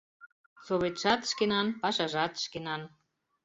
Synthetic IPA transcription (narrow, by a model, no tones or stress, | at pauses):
soβet̪ʃɑt̪ʃkenɑnpɑʃɑʒɑt̪ʃkenɑn